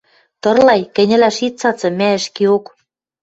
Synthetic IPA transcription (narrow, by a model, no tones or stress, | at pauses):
t̪ɤ̆rlɑjkɘ̆nʲɘ̆læʃit̪̚t͡sɑt͡sɤ̆mæɘ̆ʃkiok